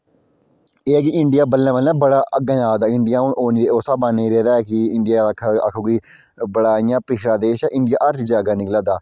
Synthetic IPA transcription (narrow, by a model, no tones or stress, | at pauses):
eːkɪɪɳɖɪjaːbəlːãːʋəlːãːbəɽaːʔəɡãːjaːd̪aːɪɳɖɪjãːɦʊnʔoːniːd̪eːoːsaːbanːeiɾeːd̪aːɛːkɪɪɳɖɪjaːd̪aːkʰːa̰kʰoːɡiː | bəɽaːɪjãːpɪʃʰɽaːd̪eːʃaːʔɪ̃ɳɖɪjaːʔəɾt͡ʃ̪d͡ʒaːɡaːnɪklaːd̪aː